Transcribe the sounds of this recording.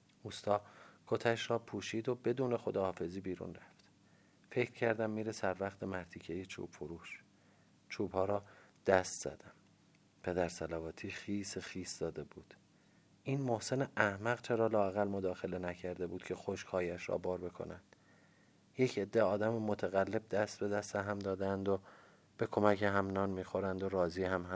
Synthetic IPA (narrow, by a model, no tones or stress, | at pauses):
ust̪ɒːkʰot̪ʰæʃrɒːpʰuːʃiːd̪obe̞d̪uːne̞xod̪ɒːhɒːfe̞ziːbiːɾṵːnræft̪ | fe̞cʰɾcʰæɾd̪æmːiːɾesæɾvæχt̪ʰe̞mæɾt̪ʰiːcʰejet͡ʃʰṵːb̥foɾuːʃ | t͡ʃʰuːbhɒːɾɒːd̪̥æst̪z̥æ̰d̪æm | pʰe̞d̪æɾsælævɒːt̪ʰiːxiːsexiːsd̪ɒːd̪e̞buːd̪̥ | ʔiːnmo̞hse̞neæhmæɣt͡ʃʰeɾɒːlɒːæɣælmod̪ɒːxe̞le̞næcʰæɾd̪e̞buːd̪̥cʰe̞xoʃkhɒːjæʃɾɒ̰ːbɒːɾbe̞kʰo̞̰nænd̪̥ | jecʰe̞d̪ːeɒːd̪æmemot̪ʰæɣælːe̞b̚d̪æst̪̚be̞d̪æst̪eɦæmd̪ɒːd̪ænd̪o | b̥e̞kʰo̞mæcʰeɦæmnɒːnmiːxo̞ɾænd̪o̞ɾɒːziːhæmɦæ